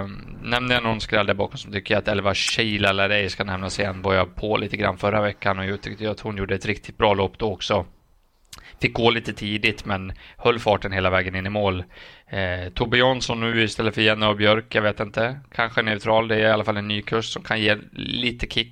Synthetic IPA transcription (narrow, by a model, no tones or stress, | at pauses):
nɛmnəjanɔnskɾɛld̪æɾbɑ̰ːkɔmsɔmt̪ʏkːəɾjaat̪ɛlvaɕiːlalaɖɛjskanɛmnasɛɛnbɔjapʰoliːt̪əɡɾa̰nːfœɾavɛkːanɔjɑt̪ʰʏkt̪əjaat̪hʊnjuːɖəɛt̪ɾɪk̚t̪ɪ̥t̪̚bɾɑːloːpːd̪ɔɔksɔ | fɪk̚ːɡoːliːt̪ət̪ʰiːd̪ɪt̪mɛnhœlːfɑːʈənheːlavɛːɡənɪnːɪmoːl | t̪ʰɔbɪjɔnsɔnːʉ̟ːɪst̪ɛlːəfœɾjɛnːəɾɔbjœɾkjaveːt̪ɪnt̪əkʰanɧənɛʉt̪ʰɾɑːld̪ɛæɾɪalːafalːɛnːyːkʰɵʂsɔmkʰanjeːliːt̪əkʰɪkː